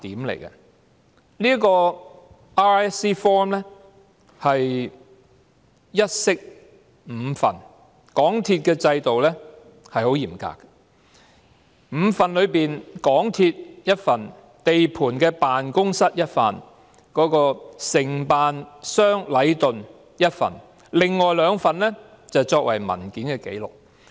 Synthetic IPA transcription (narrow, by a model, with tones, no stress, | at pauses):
t̪iː˨˥mlḛ˨˩jkɐ̰˧ | nliː˥ə˥kɔː˧ | aː˥ɛ˥siː˥fɔː˥mlɛ˥ | hɐ˨j | jɐ˥t̚sɪ˥k̚ | m̩˨˧fɐ̰˨˩n | kɔː˨˥ŋt̪ʰiː˧t̚kɛː˧t͡sɐ˧jt̪o˨wlɛ˥ | hɐ˨jho˨˥wjiː˨˩mka̰ː˨kːɐ̥ | m̩ː˨˧fɐ˨nlɵ˨˧ɥpiː˨nkɔː˨˥ŋt̪ʰiː˧t̚jɐ˥t̚fɐ˨˩n | t̪e˨jpʰuː˨˩nkɛː˧paː˨nkʊ˥ŋsɐ˥t̚jɐ˥t̚fɐ̰ː˨˩n | kɔː˨˥kɔː˧sɪ˨˩ŋpaː˨nsœː˥ŋlɐ˨˥jt̪ɵ˨n | jɐ˥t̚fɐ̰˨˩n | lɪ˨ŋːɔː˨jlœː˨˧ŋfɐ˨nlɛ˥ | t͡sɐ˨wt͡sɔː˧k̚wɐ˨˩jmɐ̰˨˩nkiː˨˥nkɛː˧ke˨˥jlʊ˨k̚